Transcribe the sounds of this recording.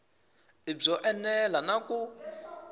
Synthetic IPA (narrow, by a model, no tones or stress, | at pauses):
ib͡ʐɔʔɛnɛlanaku